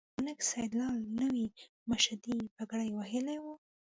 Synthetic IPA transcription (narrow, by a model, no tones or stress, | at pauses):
ʊnɪksajd̪lɑlnəwi | maʃad̪ibaɡɽajwaɦɪlawu